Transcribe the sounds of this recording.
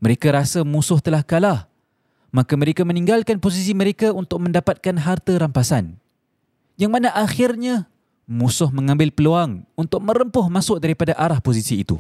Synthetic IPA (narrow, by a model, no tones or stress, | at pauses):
məɾekaɾasamusʊht̪əlahkalah | makaməɾekamə̃niŋɡalkanpos̬is̬iməɾekaunt̪ʊk̚mə̃ndapat̪̚kanɦart̪aɾampasan | jaŋmanaʔaxɪrɲa | musʊhmə̃ŋãmbɪlpəluaŋunt̪ʊk̚mə̃ɾəmpʊhmasʊʔ̚daɾipadaʔaɾahposisiːt̪ṵ